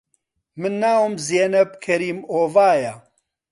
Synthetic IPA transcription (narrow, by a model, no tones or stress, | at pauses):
mɨnːaːwumzeːnɐbkʰɐɾiːmoːvaːja